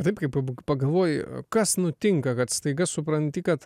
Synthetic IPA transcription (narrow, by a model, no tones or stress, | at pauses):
t̪ɐɪpkɐɪppɐɡɐlˠʋoːjkɐsnʊt̪ʲɪŋkɐkɐt̪st̪ɐɪɡɐsʊpɾɐnʲt̪ʲɪkɐt̪